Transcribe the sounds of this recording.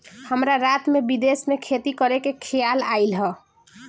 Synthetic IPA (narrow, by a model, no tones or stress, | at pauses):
həmɾaɾat̪mebid̪esmekʰet̪ikəɾekekʰijalailɦə